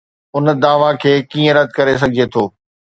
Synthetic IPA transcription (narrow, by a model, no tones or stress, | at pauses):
ʊnd̪aːʋakʰeːkĩːə̃ɾɐt̪kɐɾes̬ɐɡʱet̪ʰoː